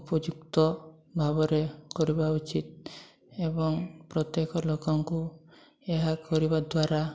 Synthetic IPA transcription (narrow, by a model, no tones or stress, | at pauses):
upɔd͡ʒuk̚t̪ɔ | bʱabɔɾekɔɾibaut͡ʃit̪̚ | ebɔŋpɾɔt̪jekɔlokɔŋku | eɦakɔɾibad̪waɾa